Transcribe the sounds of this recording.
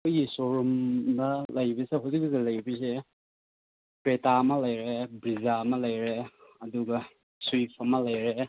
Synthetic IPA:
ojisoɾumdɐlɐjbiseɦuzik̚zelɐjbise | pɾetamɐlɐjɾebɾizamɐlɐjɾeɐduɡɐ | suipʰɐmɐlɐjɾe

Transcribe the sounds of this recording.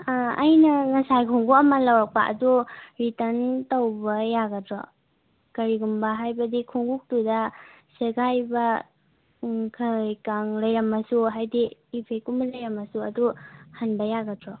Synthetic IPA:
ajnɐŋasajkʰuŋɡuɐmɐlawak̚pa̰ʔɐ̰duɾitɐntawbɐjaɡatɾɔ̰ | kɐɾiɡumbɐɦajbɐdikʰuŋɡuk̚tudaseɡajba | kʰajkaŋlɐjɾɐmɐsuɦajdiːpʰejkumlajɾɐmɐsuɐduhanbɐjaɡatɾɔ

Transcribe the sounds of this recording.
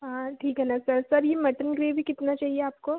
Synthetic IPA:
ɦãʈʰiːkɦɛnasɐɾsɐɾjemɐʈənɡɾeːbʱikɪt̪nat͡ʃaːɦieaːp̚koː

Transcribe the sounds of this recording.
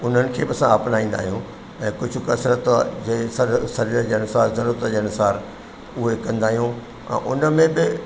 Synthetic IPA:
ʊn̤ənɪ̆kʰeːbɪɐsãaːpnaːĩːn̆d̪aːɦijũ | ɛ̃ːkʊd͡ʑʱʊ̆kɐsɾət̪d͡ʑesɐsɐɾiːɾəd͡ʑeːɐnʊsaːɾzɐɾuːɾət̪d͡ʑeːɐnʊsaːɾ | ʊɦekɐ̃nd̪aːɦijũ | ɛ̰̃ːʔʊnəmẽbɪ

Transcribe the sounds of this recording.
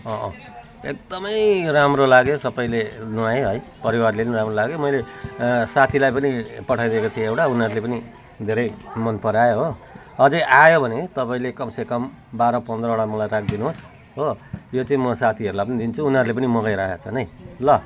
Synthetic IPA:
ʌʔʌ | ek̚d̪ʌmʌjɾamrolaɡjosʌpaĩlenuajɦʌjpʌɾiwarleniɾamrolaɡjomʌjlesat̪ʰilajpʌnipʌʈʰajd̪iekot͡sʰĩewʈaunʌɾulepʌni | d̪ʱeɾʌjmʌnpʌɾajoɦo | ʌd͡zʌjʔajobʱʌnet̪ʌpaĩlekʌmsekʌm | baɾʌpʌnd̪rʌoɽamʌlajɾak̚ʰd̪inuos | ɦojot͡saĩmʌsat̪ʰiʌɾulapʌnid̪int͡sʰuːnɦʌɾulepʌnimʌɡajɾaɦat͡sʰʌnʌjlʌ

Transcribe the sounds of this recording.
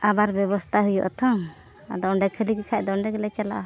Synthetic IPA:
abaɾbɛβɔst̪ʰaɦujɔ̰ʔɔt̪ʰɔŋ | a̰d̪ɔɔɳɖɛkʰəlikikʰaʔ̚d̪ɔɔɳɖɛɡɛlɛt͡ʃala̰ʔa

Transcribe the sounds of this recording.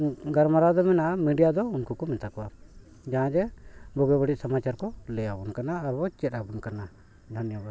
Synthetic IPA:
ɡaɾmaɾad̪ɔmɛnaʔmiɖijad̪ɔunkukɔmɛnt̪akɔa | d͡ʒaɦãd͡ʒɛbɔɡɛbəɽic̚samat͡ʃaɾkɔlɛjabunkanaːɾbɔt͡ʃɛtabunkana | d̪ʱanjəba

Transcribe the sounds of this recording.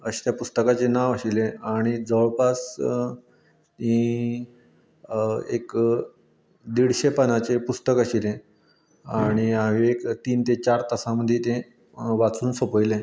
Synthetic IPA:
əɕe̥t̪japust̪əkat͡ɕenaʋəɕilẽaɽ̃id͡zəɭpas | ĩ | ek | d̪iɽɕepənat͡ɕepust̪əkəɕilẽ | aɽ̃iaʋiekt̪iːnt̪et͡ɕaɾt̪əsaməd̪ʱːjet̪ẽ | ʋat͡suːnsəpəjlẽ

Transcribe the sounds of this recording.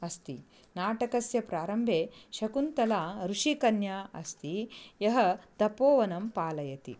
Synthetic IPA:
ɐst̪ḭ | naːʈɐkɐsjɐpɾaːɾɐmbʱeːʃɐkunt̪ɐlaːɾuʂikɐnjaɐst̪ijɐɦɐ̆t̪ɐpoːʋɐnɐmpaːlɐjɐt̪ḭ

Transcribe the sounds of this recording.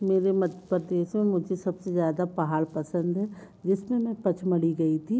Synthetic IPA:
meːɾemɐd̪ʱpəɾd̪eːʃmẽmʊd͡ʒʱesɐbsezjaːd̪apɐɦaːlpɐsə̃nd̪ɦɛː | d͡ʒɪsmẽmɛ̃pɐt͡ʃʰmɐɽiɡɐit̪ʰiː

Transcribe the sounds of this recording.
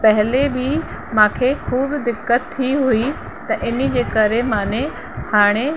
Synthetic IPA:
pɐɦlebɪ | mãːkʰekʰuːbd̪ɪkːət̪ʰːiɦui | t̪ɐʔɪnid͡ʑeːkɐɾemaːne | haːɽ̃e

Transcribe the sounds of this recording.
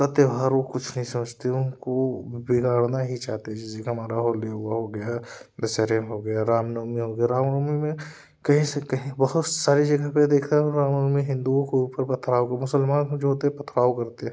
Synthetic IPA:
ɐt̪ebʱaːɾʋokʊt͡ʃʰnɐɦĩsɐməd͡ʒʱt̪eɦʊnkobɪɡaːɽnaɦit͡ʃaːɦt̪eɛ̃d͡ʒɪsekeɦɐmaːɾaɦoːleɦʊaɦoɡɐjad̪ɐseɾemɦoɡɐjaɾaːmnoːmiɦoɡɐjaɾaːmnoːmimẽ | kɐɦĩsekɐɦĩbɐɦʊt̪saːɾid͡ʒɐɡaped̪eːkʰt̪aɦɾaːmnoːmiɦɪ̃nd̪uõkeuːpəɾpɐt̪ʰɾaːokɐmʊsəlmaːnd͡ʒoɦoːt̪eɛpɐt̪ʰɾaːokɐɾt̪eɛ̃

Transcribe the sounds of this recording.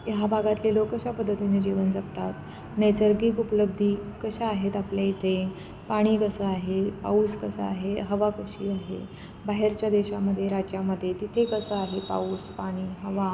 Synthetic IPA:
jabʱaɡat̪lelokəɕapəd̪ʱːət̪ined͡ʑiʋənd͡zaɡt̪at̪ | nəjsəɾɡiːkupələb̚d̪ʱiːkəɕaaɦet̪apljait̪ʰe | paɽ̃iːkəsəaɦepa̰uːskəsəaɦeɦəʋakəɕiaɦḛ | baɦeɾt͡ɕjad̪eɕaməd̪ʱːjeɾad͡ʑjaməd̪ʱːjet̪it̪ʰekəsəaɦepa̰uːspaɽ̃iːɦəʋa

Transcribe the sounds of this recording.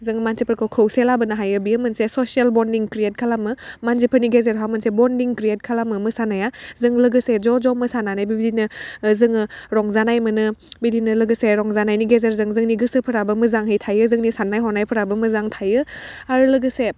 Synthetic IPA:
zɯŋmansipʰəɾkʰɯwkʰɯwselabɯnaɦajɯbijəmɯnsesɔsielbɔndiŋkɾiet̚kʰalamɯmansipʰəɾniɡezeɾɦamɯnsebɔndiŋkɾiet̚kʰalamɯmɯsanajazɯŋlɯɡɯsed͡ʒɔd͡ʒɔmɯsananajbibidinɯzɯŋɯɾɔŋzanajmɯnɯbidinɯlɯɡɯseɾɔŋzanajniɡezeɾzɯŋzɯŋniɡɯsɯpʰɯɾabɯmɯzaŋɦɯjtʰajɯzɯŋnisanːajɦɔnajpʰɯɾabɯmɯzaŋtʰajɯ | aɾɯlɯɡɯse

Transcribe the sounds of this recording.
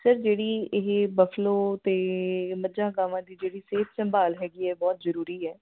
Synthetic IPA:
səɾd͡ʒeːɽiːɪɦbəfʰloːt̪eːməd͡ʒãːɡaːʋãːd̪iːd͡ʒeːɽiːseːp̪ʰsəmbaːlɦɛːɡiːɛːbɔːt̪zəɾuːɾiːɛː

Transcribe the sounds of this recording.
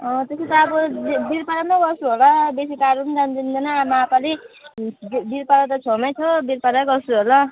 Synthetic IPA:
ʌt̪eset̪ʌːbʌbiɾpaɾamaɡʌsuɦolabesikaɾund̪and̪ind̪ʌnaːmapali | biɾpaɾat̪̬ʌt͡sʰomat͡sʰʌbiɾpaɾaɡʌsuɦolʌ

